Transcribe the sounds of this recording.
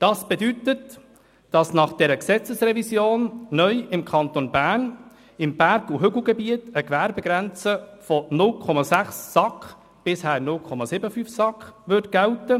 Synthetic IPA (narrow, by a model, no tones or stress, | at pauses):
d̥ɑsb̥edytət | d̥ɑsnɑχd̥ɛɾəksɛt͡səsrɛvisjoːnːœʏɪmkʰɑnt̪onbæːn | ɪmb̥æɾɡuɦʏɡl̩ˠɡɛbiətəɡvæɾbɛɡɾænt͡səfɔnʊlkʰɔmɑsæχsːɑkχ | b̥ɪshæːnʊlkʰχɔmɑsɪbəfyfsɑkχʋʏɾtɡ̥ɛltə